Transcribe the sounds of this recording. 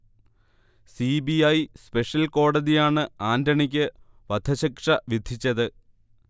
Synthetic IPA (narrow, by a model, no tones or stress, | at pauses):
sibiɐjspe̞ʂjɐlko̞ːɽɐðijaːɳɨaːndɐɳikʲːɨ | ʋɐd̪ʱɐɕɐkʂɐʋid̪ʱit͡ɕːɐðɨ